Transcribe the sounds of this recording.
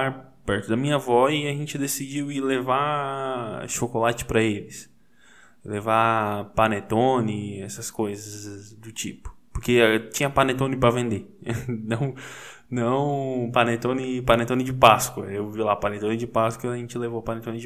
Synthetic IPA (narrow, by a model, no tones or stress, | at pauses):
aɾpɛɾt̪ʊd̪ɐmĩɲɐvɔiɐʒẽnt͡ʃɪd̪esid͡ʒiwɪleva | ʃokolat͡ʃɪ̥pɾɐelɪs | levapanet̪õnɪɛsɐskojzɐzd̪ʊt͡ʃipʊ̥poɾket͡ʃĩɲɐpanet̪õnɪpɾɐvẽnd̪enɐ̃w̃ | nɐ̃w̃panet̪õnɪpanet̪õnɪd͡ʒɪpaskwɐewvilapanet̪õnɪd͡ʒɪpaskɐɐʒẽnt͡ʃɪlevowpɐnet̪õnɪd͡ʒ